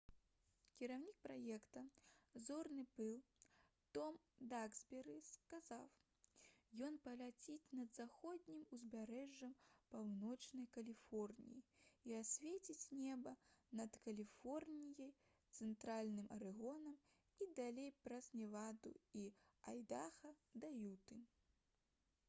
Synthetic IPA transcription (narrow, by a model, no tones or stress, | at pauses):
kʲiɾawnʲik̚pɾajɛkt̪ɐzɔrnɨbɨw | t̪ɔm | d̪aɡz̥ʲbʲɛɾɨskazaw | jɔnpɐlʲat͡sʲit͡sʲnɐd̪zaxɔd̪ʲnʲimuzʲbʲaɾɛʐːɐmpawnɔt͡ʂnɐjkɐlʲifɔrnʲḭjiiasʲvʲet͡sʲit͡sʲnʲɛbɐnɐt̪kɐlʲifɔrnʲijɐj | t̪sɛnt̪ɾalʲnɨmʔɐɾɨɣɔnɐm | id̪alʲejpɾɐzʲnʲɛvad̪ṵia̰jd̪axɐd̪ajut̪ɨ